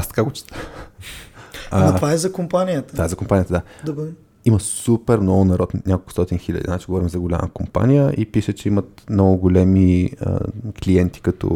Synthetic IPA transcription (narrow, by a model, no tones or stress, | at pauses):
ast̪ɐ̥kaɡot͡ʃi̥t̪əx | aɐt̪vaɛzɐkompanijət̪ət̪vaɛzɐkompanijət̪əd̪ad̪ob | iməsupɛɾmnɔɡʊnɐɾɔt̪nʲakolˠkʊ̥st̪ɔt̪inxilʲə̰d̪iznat͡ʃiɡovɔɾimzɐɡolʲa̰məkompa̰nijəʔipiʃət͡ʃɛimət̪mnɔɡʊɡʊlɛmiə̰kliɛnt̪i̥kɐt̪ɔ̰